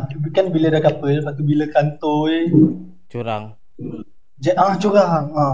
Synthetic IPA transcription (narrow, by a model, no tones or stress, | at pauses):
tubikanbilədakapəlpat̪ubiləkant̪oe | t͡ʃuɾaŋ | d͡ʒaaht͡ʃuɾaɦa